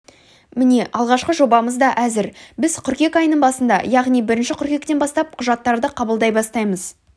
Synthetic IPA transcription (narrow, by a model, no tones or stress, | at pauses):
mɪne̞ʔɑlˠʁɑʃqəʒo̞bɑməzd̪ɑʔæzɪɾbɪz̥qʰʏɾkʲe̞kɑjnəɴbɑsənd̪ɑ̰jɑʁnijbɪɾɪnʃɪqʰʊɾkʲe̞k̚t̪e̞nbɑst̪ɑp̚qʰʊʒɑt̪ːɑɾd̪əqʰɑbəlˠd̪ɑjbɑst̪ɑjməz